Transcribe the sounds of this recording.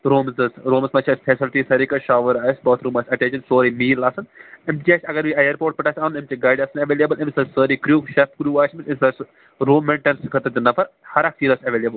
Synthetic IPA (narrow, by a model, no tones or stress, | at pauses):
ɾoːmzɐsɾoːmsmɐt͡ʃʰɐsfʰeːsɪlʈisɐɾiːkɐʃaːʋəɾaːsbəːt̪ʰɾuːmaːsʲɐʈẽːt͡ʃɐnsoːɾimiːlaːsɐnɪmʈiaːsʲɐɡɐɾʋiːɐjɐɾpoːɾʈ̚pɐʈaːsʰʲaːnɪmt͡ʃiɡaːjɖaːsɐnɐʋeːljebəlɪmsɐssəːɾiːkɾjuːʃɐp̚kɾjuːaːt͡ʃʰmɪnɪmsɐs | ɾoːmẽɳʈɐnskʰɐt̪ɐd͡ʒ̪ɐnːɐpʰɐɾhɐɾak̚siːɾɐsɐʋeːlʲjeːbəl